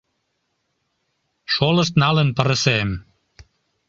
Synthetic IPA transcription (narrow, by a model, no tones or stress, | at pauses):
ʃolə̆ʃt̪nɑlənpəɾəsem